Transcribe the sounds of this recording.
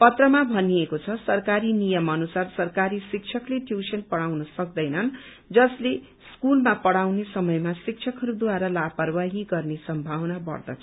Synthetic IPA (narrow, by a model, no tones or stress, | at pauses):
pʌt̪rʌmabʱʌniekot͡sʰʌsʌrkaɾinijʌmʌnusarsʌrkaɾisik̚t͡ʃʰʌkleʈjusʌnpʌɽawnʌsʌk̚d̪ʌjnʌn | d͡zʌsle | skulmapʌɽawnesʌmʌjmasik̚t͡ʃʰʌkʌɾud̪uaɾʌlapʌrwaɦiɡʌrnesʌmbʱawnabʌ̰rd̪ʌ̰t͡sʰ